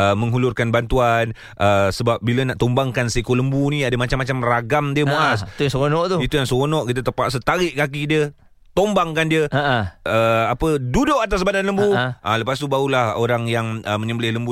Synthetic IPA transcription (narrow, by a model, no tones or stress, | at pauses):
əmə̃ŋɦulʊrkanbant̪uan | ʔəsəbap̚bilənaʔt̪ombaŋkanseikoləmbunĩadəmat͡ʃamːat͡ʃamraɡamdiəmuʔasujasəkonɔʔt̪uit̪ujaŋsəɣonɔʔkit̪ət̪əpaʔsət̪aɾɪʔkak̬idiə | t̪ombaŋkandiəaəapədudʊʔat̪as̬badanləmbuʔaləpast̪ubaulahoɾaŋjaŋəməɲəbəlɪhləmbu